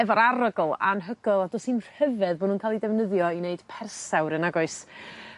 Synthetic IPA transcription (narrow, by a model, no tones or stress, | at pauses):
ɛvɔɾaɾəɡlˠa̰nɦəɡ̥əlˠadɔsinr̥həvɛðbɔdnuːnkʰaːlˠidɛvnəðjɔineɨd̥pʰɛrsawɾənaɡɔɨs